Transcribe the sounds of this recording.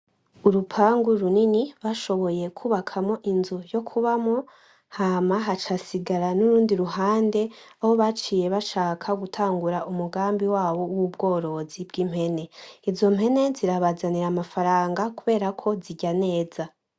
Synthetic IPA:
uɾupʰaːŋɡuɾuniniβaʃo̞βo̞je̞kʰuːβakʰamo̞ʔinzujo̞kʰuβamo̞ | hamaɦat͡ʃasiɡaɾanuɾuːndiɾuɦaːnde̞aho̞βat͡ʃiːje̞βaʃaːkʰaɡutʰaːŋɡuɾaʔumuɡaːmbiwaːβo̞wub̚ɡo̞ːɾo̞zibɡim̥he̞ne̞izo̞m̥he̞ne̞ziɾaβazaniɾamafaɾaːŋɡakuβe̞ːɾakʰo̞ziɟane̞ːz̥a

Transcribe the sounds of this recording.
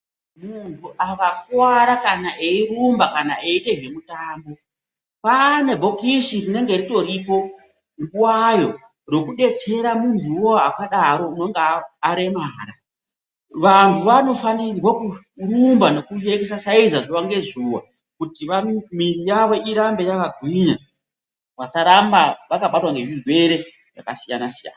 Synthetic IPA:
muntʰuʔaʋakwaɾakanaʔeirumbakana̰eite̞ʒe̞mutaːmbo̞ | pane̞bʱo̞kiʃirine̞ŋɡerito̞ɾiːpo̞ | ŋɡuwajo̞ | ro̞kuɗe̞t͡se̞ɾamuntʰuwoakaɗaɾo̞uno̞ŋɡeːɾe̞maːɾa | ʋantʰuʋano̞fanirwaku | rumbano̞kujekesaʃaizaʐuʋaŋɡe̞zuwa̰ | kutiʋamirijaʋo̞ʔiɾambe̞jakaɡʱwiɲa | wasaɾambaʋakaɓatwaŋɡemirwe̞ɾe̞ | ja̰kasijanasija̰ːna

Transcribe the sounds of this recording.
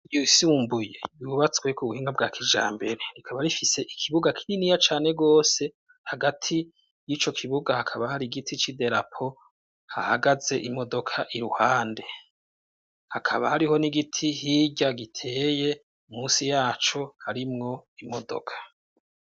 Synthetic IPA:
jusuːmbuje̞̰juβat͡swe̞kʰuβuhiːŋɡabɡaːkʰid͡ʒa̰ːmbe̞ɾe̞ɾikʰaβaɾifise̞ʔikʰiβuɡakʰiɾinijat͡ʃaːne̞ɡo̞ːse̞ | haɡatʰi | jiːt͡ʃo̞kʰiβuɡahakʰaβahaɾiɡitʰit͡ʃide̞ɾapʰo̞ | ha̰haɡaze̞ʔimo̞do̞kʰaʔiɾuhaːnde̞ | hakʰaβahaɾiho̞niɡitʰihiɟaɡitʰe̞ːje̞ | umuːsijaːt͡ʃo̞haɾimŋo̞imo̞do̞̰kʰḁ

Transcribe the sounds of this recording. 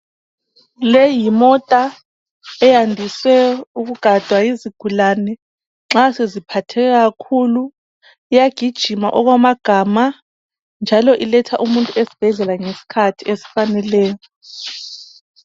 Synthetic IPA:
lejimɔtʼa | ɛjandʱiswɛuɣuɡ̥ʱad̥ʱwajiziɡ̥ʱulanɛ | ŋ͡ǁasezipʰatʰɛkaɣakʰulu | ijaɡ̥ʱid̥ʒ̥ʱima̰ʔɔɣwamaɡ̥ʱama | nd͡ʒʱalɔʔilɛtʰaʔumuntʼuʔesi̥b̥ʱɛɮɛlaŋesi̥kʰatʰiesi̥fanɛlɛːjɔ

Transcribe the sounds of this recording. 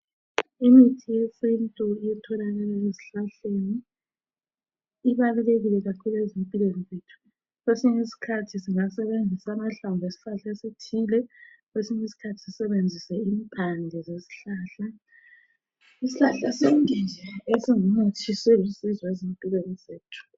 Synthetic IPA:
imitʰijɛsentʼɔɛtʰɔlalɛezeziɬaɬeni | βaluleɣilɛɣakʰuluezempʼilwenizeːtʰu̥ | ɣwesiɲisi̥kʰatʰisiŋasɛβend͡zʱisamaɬambʱesi̥ɬaɬaesetʰilɛkwesiɲesi̥kʰatʰi̥si̥sɛβend͡zʱisɛiːmpʰand͡ɮʱɛzesi̥ɬaːɬa | isiɬaɬaseŋind͡ʒʱɛesiŋumot͡ʃʰisɛlusizwezempʼilwenizeːtʰu̥

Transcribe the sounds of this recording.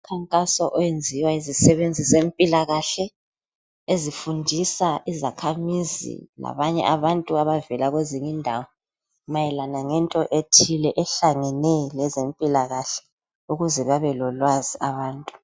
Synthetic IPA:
ukʰaŋkʼasɔʔɔjend͡zʱiwaizisɛβend͡zʱizempʼilaɣaɬɛ | ezifundʱisaʔizakʰamizḭla̰βaɲɛ̰ʔaβantʼuaβavɛlaɣweziŋindʱaːwɔ | majɛlanaŋɛntʼɔʔetʰilɛʔɛɬaŋɛnɛlɛzempʼilaɣaɬɛ̥ | uɣuzɛβaβɛlɔlwaziaβaːntʼu̥

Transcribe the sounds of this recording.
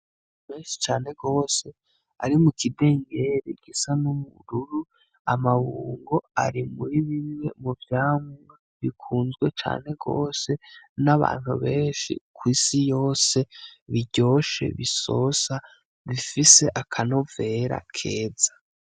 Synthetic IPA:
me̞ːnʃi̥t͡ʃaːne̞ɡo̞ːse̞ | a̰ɾimukide̞ːŋɡe̞ɾiɡ̥isanumuɾuɾu | a̰maβuːŋɡo̞a̰ɾimuɾiβimwe̞muvjaːmwe | βikʰuːnzɡwe̞t͡ʃa̰ːn̥e̞ɡo̞̰ːse̞naβa̰ːn̥hṵβe̞ːnʃḭkwiːsijo̞ːse̞βiɟo̞ːʃe̞̰βiso̞̰sa | βifise̞ʔakʰano̞ve̞ɾa̰kʰe̞ːzḁ

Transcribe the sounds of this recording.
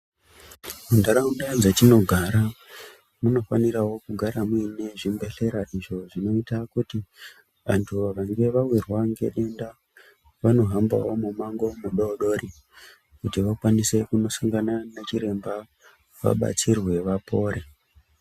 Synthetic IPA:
mundaɾaundad͡zetino̞ɡʱaɾa | muno̞faniɾawo̞kuɡʱaɾamwine̞ʐimbe̞ɬe̞ɾaʔiʐo̞ʐino̞itakuti | ʋa̰ntʰuʋaŋɡe̞ʋawirwaŋɡe̞̰ɗe̞nda | ʋano̞ɦamba̰wo̞mumaŋɡo̞muɗoːɗo̞ɾi | kutiʋakwanise̞kuno̞saŋɡananet͡ʃiɾe̞mba | ʋa̰ɓa̰t͡sirwe̞ʋapʰo̞ːɾe

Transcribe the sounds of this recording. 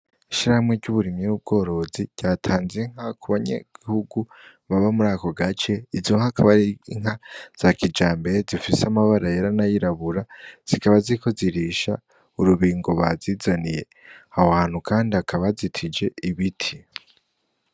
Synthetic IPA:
iʃiɾahamwe̞ɾɟuβuɾimiub̚ɡo̞ːɾo̞ziɟ̥aːtʰaːnzeŋ̥hakʰuβaɲḛɡ̥ihuɡu | βaβamuɾaːko̞ɡat͡ʃe̞izoŋhakʰaβaɾiiŋ̥ɦaz̥akid͡ʒaːmbeɾezifiseamaβaɾajeɾanajiɾaβuɾaz̥ikaβaziko̞ziɾiʃa | uɾuβiːŋɡo̞βazizanije̞̰ | ahohaːn̥hukaːndiakʰaβazitʰid͡ʒe̞iβitʰi

